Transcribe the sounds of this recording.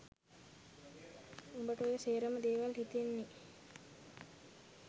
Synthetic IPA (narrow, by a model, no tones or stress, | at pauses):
umbəʈəojəseːɾəməd̪eːʋalhit̪enːi